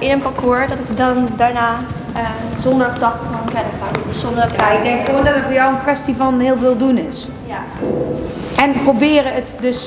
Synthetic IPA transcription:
ɪnənpakʰoəɹdɔtɪkdɔndaːɹnaː | ə | zondəɹtɑtmɔnkɛnəkadəssondəkʰajɪɡ̚dɛŋkʋoəndɔtətfəɹjɔwənkʋɛstivɔnɦɪəlˠvɪːlˠdunɪs | ɛnprobɪːɾəətdøs

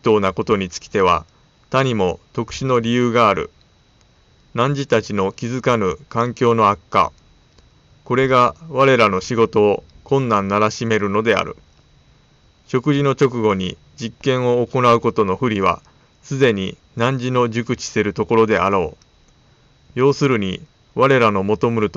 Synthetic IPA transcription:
t̪o̞ːnako̞t̪o̞ɲ̟it͡sɨ̥kʲi̥t̪e̞β̞a̰ | t̪aɲ̟imo̞t̪o̞kɯ̟̥ɕino̞ɾʲijɯːɡaːɾɯ̟̰ | nãɲ̟d͡ʑit̪at͡ɕino̞kʲizɨkamɯ̟kãŋkʲo̞ːno̞akːa̰ | ko̞ɾe̞ɡaβaɾe̞ɾano̞ɕiɡo̞t̪o̞ːkõ̞nːãnːaɾaɕime̞ɾɯ̟no̞d̪e̞a̰ɾɯ̟̰ | ɕo̞kɯ̟ʑino̞t͡ɕo̞k̬ɯ̟ɡo̞ɲ̟i | d͡ʑikːẽ̞ɰ̃o̞ːko̞naɯ̟ko̞t̪o̞no̞ɸɯ̟ɾʲiβa̰ | sɨd̪e̞ɲ̟i | nãɲ̟d͡ʑino̞ʑɨkɯ̟t͡ɕi̥seɾɯ̟t̪o̞ko̞ɾo̞d̪e̞ʔaɾo̞ː | jo̞ːsɨɾɯ̟ɲ̟i | βaɾe̞ɾano̞mo̞t̪omɯ̟ɾɯ̟t̪o

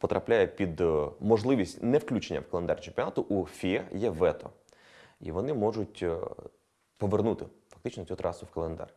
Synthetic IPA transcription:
pɔt̪ɾɐplʲajɛpʲid̪mɔʒlˠɪʋʲisʲtʲnɛfklʲut͡ʃenʲːɐ̰wkɐlˠend̪arʲt͡ʃempʲjɔnɑt̪ʊʔufʲiɛjɛʋɛt̪ɔ̰ | ḭʋɔnɪmɔʐʊtʲ | pɔʋernut̪ɪfɐ̥k̚t̪ɪt͡ʃnɔsʲut̪ɾɑsʊwkɐlˠend̪ɑ̰rʲ

